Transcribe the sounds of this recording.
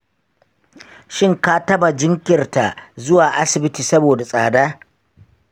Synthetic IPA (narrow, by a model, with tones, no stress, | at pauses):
ʃɪ˦ŋka˦tɐ˦ba˨d͡ʒɪ˦ŋkʲɪ˨rta˨zʊ˦waː˨ʔa˦sɪ˨bɪ˦tiː˨sɐ˦boː˨da˨sʼaː˨daː˦